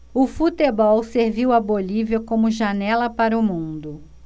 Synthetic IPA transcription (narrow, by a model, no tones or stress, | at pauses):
ʊfut̪ebɔwseɾviwɐboliviɐkõmʊʒanɛlɐpaɾʊmũnd̪ʊ